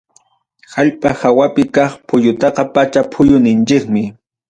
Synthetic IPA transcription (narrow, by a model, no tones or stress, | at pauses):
haʎpʼahawapɪkɑχpʰʊjʊt̪ɑqɑpat͡ʃapʰʊjʊnɪnt͡ʃɪkmɪ